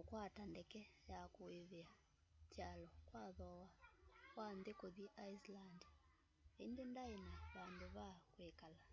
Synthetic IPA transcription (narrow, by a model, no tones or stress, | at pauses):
kokwatandɛkɛjakoeðea | t͡ʃalɔkwaðɔwakwandekoðiʔaisland | endendaenaβandoβakwekala